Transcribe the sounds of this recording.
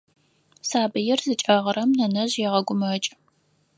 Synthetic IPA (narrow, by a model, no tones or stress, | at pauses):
saːbɨjɪrzɨt͡ʃʼɐʁəɾɐmnɐnɐʑjɛʁɐɡʷʊmɐt͡ʃʼ